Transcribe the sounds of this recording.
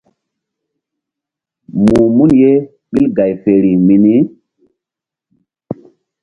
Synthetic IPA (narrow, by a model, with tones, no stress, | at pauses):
mu˨mu˦nje˦ | ɓi˦lɡa˨jfe˨ɾi˨mi˨ni˦